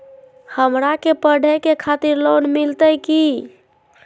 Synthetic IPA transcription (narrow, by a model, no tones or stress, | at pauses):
həmɾakepəɖʱəkekʰat̪iɾlonmilt̪əjki